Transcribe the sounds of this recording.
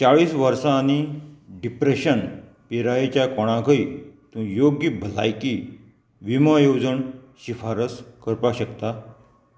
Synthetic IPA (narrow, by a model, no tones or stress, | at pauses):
t͡saɭiːsʋəɾsaːñiɖipɾeɕən | piɾajet͡ɕjakɔɽ̃ãɡʱəit̪ũjoɡibʱəla̰jki | ʋiməjod͡zəɳɕifaɾəskəɾpaɕəkt̪a